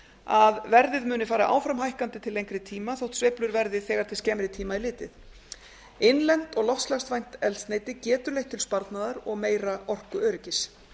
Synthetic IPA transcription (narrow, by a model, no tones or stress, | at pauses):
aðvɛɾðɪðmʏːnɪfaːɾaʔa̰ːwfɾamɦajhkant̪ɪt̪ʰɪlːejŋkɾɪt̪ʰiːmaθowt̪sveplʏɾvɛɾðɪθɛːɣaɾ̥t̪ʰɪlscɛːmɾɪt̪ʰiːmailɪːt̪ɪθ | ɪnlɛn̥t̪ɔɣlɔft̪slast̪vajn̥t̪ɛlsneːjt̪ɪcɛːt̪ʏɾlejht̪ʰːɪlspaɾt̪naðaɾɔɣmeːjɾaʔɔr̥kʏœːɾɪcɪs